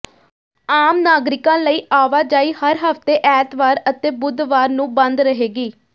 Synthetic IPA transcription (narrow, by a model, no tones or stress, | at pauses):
aːmnaːɡɾɪkãːləiːʔaːʋaːd͡ʒaːiːhəɾɦəft̪eːʔɛːt̪ʋaːɾət̪eːbʊd̪ʋaːɾnũːbə̃nd̪ɾəɦeːɡiː